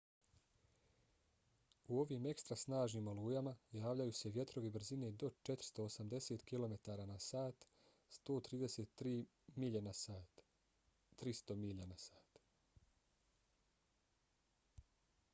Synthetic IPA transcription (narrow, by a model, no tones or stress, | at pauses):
uo̞ʋiːme̞kst̪ɾasnaːʒniːmoluːjamajaːʋʎajuːseʋje̞t̪ɾo̞ʋebɾ̩zine̞d̪o̞t͡ʃe̞t̪ɾ̥i̥st̪o̞ːsamd̪e̞se̞ːt̪kilo̞me̞t̪aːɾaːnasaːt̪ | st̪o̞ːt̪ɾiːd̪e̞set̪ɾiː | ina | t̪ɾist̪o̞miʎanasaːt̪